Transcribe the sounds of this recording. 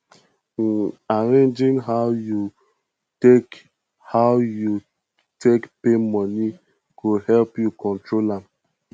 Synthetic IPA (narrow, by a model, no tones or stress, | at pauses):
aɾẽnd͡ʒĩŋɦaʊju | tek | hawju | tekpemɔni | ɡohɛlpjukɔ̃ntɾolam